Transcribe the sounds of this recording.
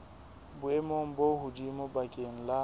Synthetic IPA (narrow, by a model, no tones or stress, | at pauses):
bʊɛmoŋ̩boɦʊdimobakʼeŋ̩la